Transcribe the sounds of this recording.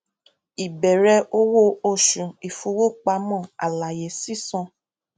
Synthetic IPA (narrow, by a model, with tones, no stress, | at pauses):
i˨bɛ˨ɾɛ˧ʔo˧˦wo˦o˦˨ʃũ˨i˨fu˧˦wo˦k͡pa˧˦mɔ̃˦˨a˨la˨je˨si˦sɔ̃˧